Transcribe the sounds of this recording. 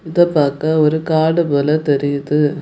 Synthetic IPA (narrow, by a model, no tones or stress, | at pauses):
ɪðɐpːaːkɐɔɾɯkaːɽɯpoːlɐt̪ɛɾɪjɐðɯ